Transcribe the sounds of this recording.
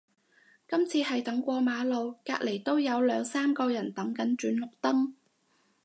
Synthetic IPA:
kɐ˥mt͡sʰiː˧hɐ˨jt̪ɐ˨˥ŋkʷɔː˧maː˨˧lo˨˧wkaː˧k̚le˨˩jt̪o˥wjɐ˨˧wlœː˨˧ŋsaː˥mkɔː˧jɐ˨˩nt̪ɐ˨˥ŋkɐ˨˥nt͡ʃyː˨˥nlʊ˨k̚t̪ɐ˥ŋ

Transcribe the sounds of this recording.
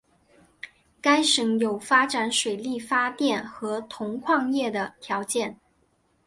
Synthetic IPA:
ka˥ɪʂɤ˧˩˥ŋjo˨˩ʊfa˥ʈ͡ʂa˨˩˥nʂwe˨˩ɪli˥˩fa˥t̪jɛ˥˩nxɤ˧˥t̪ʰʊ˧˥ŋkʰwɑ˥˧ŋjɛ˥˩d̪ə˩t̪ʰjɑ˧˥ʊt͡ɕjɛ˥˩n

